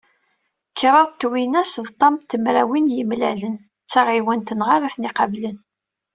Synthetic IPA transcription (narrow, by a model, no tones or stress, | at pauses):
kʰːɾˤɑðˤt̪ːwinæsðt̪ˤːɑmt̪ːəmɾæwinjəmlælən | t͡sːæʁiwænt̪ənʁaɾæθniqɑvlən